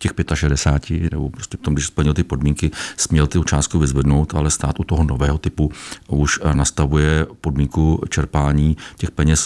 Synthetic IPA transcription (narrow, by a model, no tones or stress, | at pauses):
cɛxpjɛt̪aʃɛdɛsaːcɪnɛ̰bopɾoscɛpo̥t̪omɡdɪʃspl̩ɲɪlt̪ɪpo̞dmiːŋkɪsmɲɛlt̪ɪt͡ʃaːst̪̚kuvɪzvɛdno̞wt̪alɛst̪aːt̪ut̪oɦono̞vɛːɦot̪ɪpuuʃnast̪avujɛpo̞dmiːŋkut͡ʃɛɾpaːɲiːcɛxpɛɲɛs